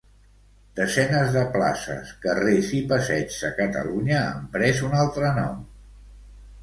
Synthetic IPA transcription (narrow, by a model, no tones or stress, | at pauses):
d̪̥əzɛnəzðəpla̰sə̰skərezipəsɛd͡ʒzəkət̪ə̰luɲə̰ːmpɾɛzunalˠt̪ɾənɔ̰m